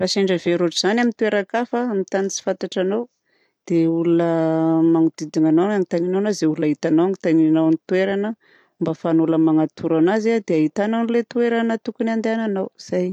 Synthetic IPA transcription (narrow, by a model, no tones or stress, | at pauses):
raʃeɳɖ͡ʐəveɾoʈ͡ʂiz̥anamint̪ueɾakafəamit̪anit͡si̥fant̪aʈ͡ʂanaw | d̪̥eulunəmaŋud̪id̪iŋananaŋit̪aninawnazeuulaɦit̪anawaŋit̪aninawnit̪ueɾanə | mbafanuləmaŋat̪ʰuɾanaziad̪eaɦit̪ananilet̪uweɾanət̪ukunand̪eananawz̥aj